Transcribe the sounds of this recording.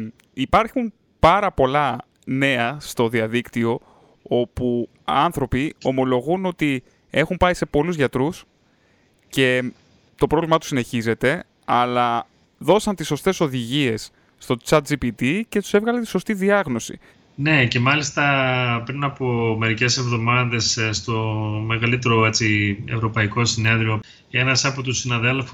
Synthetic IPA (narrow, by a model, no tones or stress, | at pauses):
ipɐɾxum | pɐɾɐpo̞lɐ | ne̞ɐst̪o̞ðiɐðikt̪io̞ | o̞pu | ɐnθɾo̞pio̞mo̞lo̞ɣuno̞t̪i | e̞xumpɐise̞po̞luzʝɐt̪ɾus | ce̞ | t̪o̞pɾo̞vlimɐt̪usine̞çize̞t̪e̞ | ɐlɐ | ðo̞sɐnt̪isːo̞st̪e̞so̞ðiʝie̞sː | t̪o̞t͡sɐt̪̚d͡ʒipit̪ice̞t̪u̥se̞vɣɐlɐnt̪i̥so̞st̪iðiɐɣno̞sḭ | ne̞ce̞mɐlist̪ɐpɾinɐpo̞me̞ɾice̞se̞vðo̞mɐðe̞sst̪o̞me̞ɣɐlit̪e̞ɾo̞et͡sievɾo̞pɐiko̞sine̞ðɾio̞ | e̞nɐsɐpot̪usinɐðe̞lfu